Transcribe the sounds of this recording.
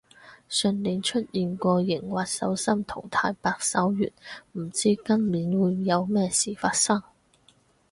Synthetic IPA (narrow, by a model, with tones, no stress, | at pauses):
sɵ˧nli˨˥nt͡ʃʰɵ˥t̚jiː˨nkʷɔː˧jɪ˨˩ŋwaː˨t̚sɐ̰˨˥wsɐ˥mt̪ʰʊ̰˨˩ŋt̪ʰaː˧jpaː˧k̚sɐ˨˥wjy̰ː˨˩nm̩˨˩t͡siː˥kɐ˥nmiː˨˥nwuː˨˧jjɐ˨˧wmɛː˥siː˨˩faː˧t̚sɐ˥ŋ